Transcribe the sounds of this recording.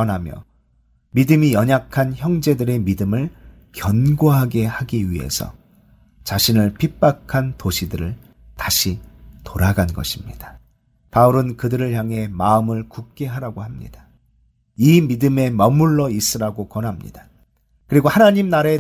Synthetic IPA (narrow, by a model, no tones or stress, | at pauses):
ʌnɦamjʌ̰ | midɯmijʌɲakʰançjʌŋd͡ʑe̞dɯɾe̞midɯmɯɭ | kjʌnɡoɦaɡe̞haɡiɥiɦe̞̰sʰʌ̰ | t͡ɕaɕʰinɯɭpʰip͈akʰantoɕʰidɯɾɯɭ | taɕʰitoɾaɡanɡʌɕʰimɲid̥ḁ | pauɾɯnkɯdɯɾɯɭçjaŋɦe̞maɯmɯɭkuk̚k͈e̞ɦaɾaɡohamɲḭd̥a | imidɯme̞mʌmuɭːʌis͈ɯɾaɡokwʌnɦamɲḭd̥a | kɯɾiɡohanaɲimnaɾae